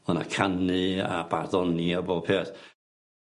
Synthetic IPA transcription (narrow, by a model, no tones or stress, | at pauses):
əna̰kʰanɨabarðɔniaboːpʰeːθ